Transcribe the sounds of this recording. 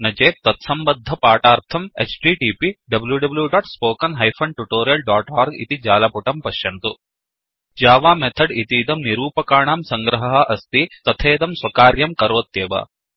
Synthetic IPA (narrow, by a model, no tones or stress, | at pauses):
nɐd͡ʒeːt̪ɐt̪sɐmbɐd̪ʱːɐpaːʈaːɾt̪ʰɐmḛt͡ʃɖiːʈiːpiɖɐbljuɖɐbljuɖaːʈspoːkɐnɦɐjpʰɐɳɖʈuʈoːɾjɐlɖaːʈaːɾɡḭt̪id͡ʒaːlɐpuʈɐmpɐʃjɐnt̪u | d͡ʒaːʋaːmet̪ʰɐɖit̪iːd̪ɐmniɾuːpɐkaːɳaːmsɐŋɡɾɐɦɐɦɐ̆ʔɐst̪it̪ɐt̪ʰeːd̪ɐmsʋɐkaːɾjɐmkɐɾoːt̪jeːʋɐ̰